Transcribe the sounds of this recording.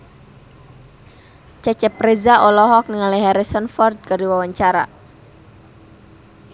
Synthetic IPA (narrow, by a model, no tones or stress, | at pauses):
t͡ʃat͡ʃɛpɾezaʔɔlɔɦɔk̚niŋaliɦɛɾisɔnfɔrd̪̚kaɾiwawaɲt͡ʃaɾa̰